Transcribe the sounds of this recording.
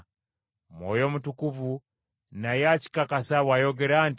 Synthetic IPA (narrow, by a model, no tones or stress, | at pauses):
mɔ̰jɔmutukuvu | najat͡ʃi̥kakasawajɔɡɛɾan